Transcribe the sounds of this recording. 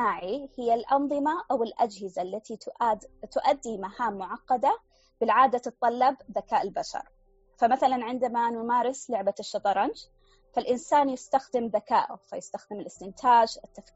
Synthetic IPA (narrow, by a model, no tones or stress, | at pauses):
aːʕihɪjːalʔɑnðˤɨmaʔawɪlʔad͡ʒhɪzalːat̪it̪ʔat̪ʊʔad̪ːimahaːmːʊʕɑqːɑd̪a | b̥ɪlʕaːd̪at̪ɨt̪ˤːɑlːɑbðakaːʔɪlbaʃɑ̰ɾˤ | famaθalanʕɪnd̪amanʊmaːɾɪslʊʕbaʃːɑt̪ˤɑɾˤɑnd͡ʒ | falʔɪnsaːnjɪst̪axd̪ɪmðaka̰ːʔʊ̰fajɪst̪axd̪ɪmɪlʔɪst̪ɪnt̪ʰaːd͡ʒɪt̪ːaf